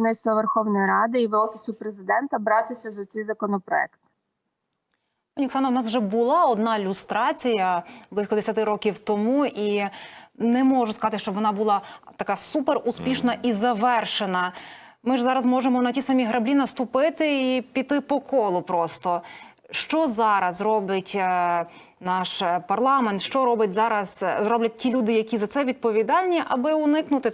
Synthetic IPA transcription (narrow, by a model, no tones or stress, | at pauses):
nɪst̪ɐʋerxɔwnɔjiɾɑd̪ɪiʋɔfʲisʊpɾezɪd̪ɛnt̪ɐbɾɑt̪ɪsʲɐzɐt̪sɛjzɐkɔnɔpɾɔɛ̰kt̪ | pɔnʲiksɑnɐwnɑswʒɛbʊlˠɑɔd̪nɑɪlʲʊst̪ɾɑt͡sʲijɐblˠɪsʲkɔd̪esʲɐt̪ɪɾɔkʲiwt̪ɔmuʔi | nɛmɔʒʊskɐzɑt̪ɪʃt͡ʃɔʋɔnɑbʊlˠɑt̪ɐkɑsupeɾuspʲiʃnɐʔizɐʋɛrʃenɐ | mɪʒzɑɾɐzmɔʒemɔnɐtʲisɐmʲiɦɾɐblʲinɐst̪ʊpɪt̪ɪipʲit̪ːɪpɔkɔlˠʊpɾɔst̪ɔ | ʃt͡ʃɔzɑɾɐzɾɔbɪtʲ | nɑʃpɐrlˠɑment̪ʃt͡ʃɔɾɔbɪt̚ʲzɑɾɐzzɾɔblʲɐt̚ʲtʲilʲud̪ɪjɐkʲizɐt̪sɛʋʲid̪̚pɔʋʲid̪ɑlʲnʲiʔɐbɪʊnɪknʊt̪ɪ